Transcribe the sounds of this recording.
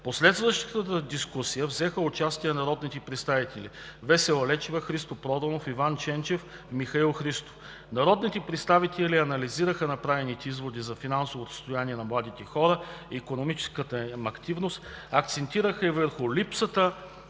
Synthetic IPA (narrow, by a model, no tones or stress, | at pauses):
poslɛt̪st̪vəʃt̪ət̪ət̪əd̪iskusijəvzɛxəʊt͡ʃast̪iɛnɐɾɔd̪nit̪ɛpɾɛt̪st̪avit̪ɛlḭ | vɛsɛlɛt͡ʃivɐxɾist̪opɾɔd̪ɐnofivant͡ʃɛnt͡ʃɛf | mixɐilˠxɾist̪o̥f | nɐɾɔd̪nit̪ɛpɾɛt̪st̪avit̪ɛliɐnɐliziɾəxənɐpɾavɛnit̪ɛizvod̪izɐfinansovosə̥st̪ojaniɛnɐmlˠad̪it̪ɛxɔɾəiːkonomit͡ʃɛ̥skət̪əmɐkt̪ivnost̪ɐk̚t̪sɛnt̪iɾəxəivəɾxʊlipsət̪ə